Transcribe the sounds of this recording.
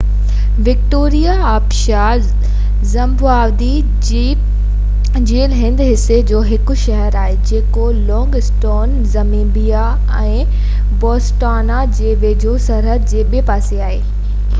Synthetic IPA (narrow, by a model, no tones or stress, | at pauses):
ʋɪk̚ʈoːɾijaaːpʃa | zɐ̃mbʊaːʋd̪i | d͡ʑiː | d͡ʑeːlɦɪ̃nd̪ɦɪsed͡ʑoːɦɪkʊ̆ʃɐɦəɾaːɦed͡ʑeːko | lɔ̃ːŋɡsʈoːn | zɐmĩːbija | ɛ̃ː | bɔːsʈaːnad͡ʑeːʋeːd͡ʑʱosɐɾɦət̪̚d͡ʑeːɓepaːseaːɦeː